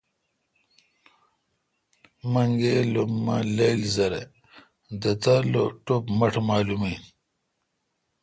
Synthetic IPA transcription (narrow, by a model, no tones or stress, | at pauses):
mɐŋɡelomːa̰lejlzɐɾḛ | d̪ɐt̪ɐloʈopmɐʈʰmaːlumiːn